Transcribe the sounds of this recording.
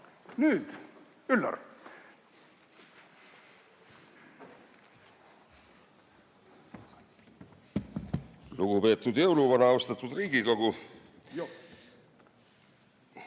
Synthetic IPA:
nyːd̪̥ | ylːɑ̰ɾ | luɡ̥upe̞ːt̪ːˑud̪̥jɤwluvɑnɑost̪ɑt̪ːˑud̪riːɡ̥iko̞ɡu

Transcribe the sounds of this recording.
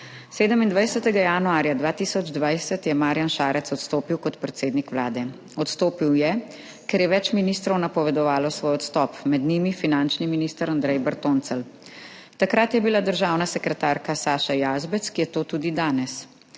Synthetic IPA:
seːd̪əmind̪ʋajsɛt̪ɛɡajanuaːɾjad̪ʋaːt̪isɔd͡ʒd̪ʋajsət̪jɛmaːɾjanʃaːɾʔɛt̪sɔt̪st̪oːpiwkɔt̪pɾɛt̪seːd̪nikʋlaːd̪ɛ | ɔt̪st̪oːpiwjɛ | kɛɾjɛʋɛt͡ʃminiːst̪ɾɔwnapɔʋɛd̪ɔʋaːlɔsʋoːjɔt̪st̪ɔpmɛd̪nimifinant͡ʃniminist̪əɾand̪ɾɛjbəɾt̪oːnt̪səl | t̪akɾat̪jɛbilad̪əɾʒaːwnasɛkɾɛt̪aːɾkasaːʃajaːzbɛt̪skijɛt̪oːt̪uːd̪id̪aːnɛs

